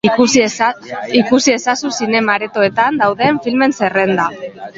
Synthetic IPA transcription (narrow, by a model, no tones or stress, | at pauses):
ikusie̞sasusine̞maɾe̞t̪o̞e̞t̪and̪awðe̞ɱfilme̞nse̞re̞nd̪a